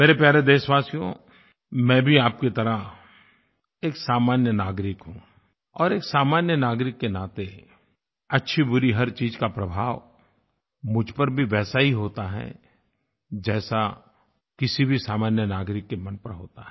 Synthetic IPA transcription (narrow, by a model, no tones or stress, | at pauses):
meːɾepjaːɾed̪eːʃʋaːsijõ̰ | mɛ̃ːbʱiaːp̚ket̪ɐɾə | eːksaːmaːnjənaːɡɾɪkɦũː | ɔːɾeːksaːmaːnjənaːɡɾɪkːenaːt̪e | ɐtːʃʰibʊɾiɦɐɾt͡ʃiːd͡ʒkapɾɐbʱaːʋ | mʊd͡ʒʱpɐɾbʱiʋɛːsaɦiɦoːt̪aɦɛ̰ | d͡ʒɛːsa | kɪsibʱisaːmaːnjənaːɡɾɪkːemɐ̃npɐɾɦo̰ːt̪aɦɛ